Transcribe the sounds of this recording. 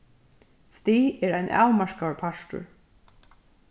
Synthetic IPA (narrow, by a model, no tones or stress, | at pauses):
st̪iːɛɹajnʔa̰ːwmaɹkapʰaʃtʊ̰ɹ